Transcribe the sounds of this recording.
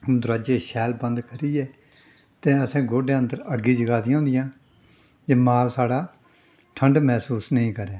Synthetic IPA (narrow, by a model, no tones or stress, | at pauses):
d̪ʊɾaːd͡ʒeːʃɛːlbə̃nd̪kəɾiːɛː | t̪ẽːəsẽːɡoːɖeːə̃nd̪əɾəɡiːd͡ʒəɡaːd̪ɪjãːʊ̃ːnd̪ɪjãː | d͡ʒeːmaːlsaːɽaː | ʈʰəɳɖmɛːsuːsnəĩːkəɾeː